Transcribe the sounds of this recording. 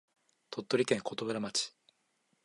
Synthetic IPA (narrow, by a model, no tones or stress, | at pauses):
t̪ʰo̞t̪ːo̞ɾʲikẽŋkʰot̪oɡɯɾamat͡ɕi̥